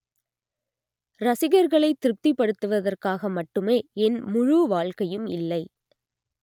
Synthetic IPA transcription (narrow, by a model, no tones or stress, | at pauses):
ɾɐsɪɣɐɾɣɐɭɐɪt̪ːɪɾɯp̚t̪ipːɐɽɯt̪ːɯʋɐðɐrkaːɣɐmɐʈːɯmeːɛnmʊɻuʋaːɭkɐjɯmɪ̰lːɐɪ